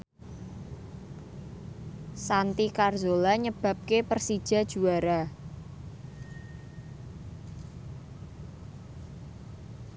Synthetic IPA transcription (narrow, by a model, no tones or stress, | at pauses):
sant̪ikarzolaɲəb̥a̤p̚kepərsid̥ʒ̥a̤d̥ʒ̥uaɾa